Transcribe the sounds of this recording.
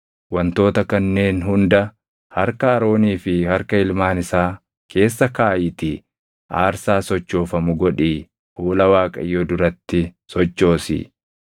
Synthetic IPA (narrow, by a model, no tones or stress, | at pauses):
wɐnt̪o̞ːt̪ɐkɐnːe̞ːnɦʊnd̪ɐ | hɐ̰ɾkɐɐɾo̞ːniːfɪhɐɾkɐɪlmaːnɪsaː | kʰe̞ːsːɐkaːjɪt̪ɪ | ʔaːɾsaːsɔt͡ʃːo̞ːfɐmʊɡɔᶑiː | huːlɐwaːkʼɐ̰jɔd̪ʊɾɐt̪ːɪsɔt͡ʃːo̞ːsɪ̰